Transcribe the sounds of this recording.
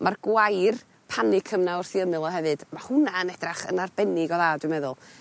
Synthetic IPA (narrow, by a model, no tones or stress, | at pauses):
mʔarɡwajr | pʰanɪkʰəmnaʊrθiəmɨlˠɔɦɛvɨd̥mahʊnaənɛdraχə̰narbɛnɪɡɔðadwɪɨmɛðʊlˠ